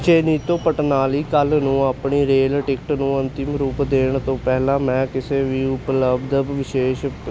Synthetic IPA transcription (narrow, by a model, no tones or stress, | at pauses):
t͡ʃeːniːt̪õːpəʈnaːliːkəlnũːaːpɳiːɾeːlʈɪkʈnũːənt̪ɪmɾuːpd̪eːɳt̪õːpɛːɦlãːmɛ̃ːkɪseːʋiːʊpləbd̪bʋɪʃeːʃ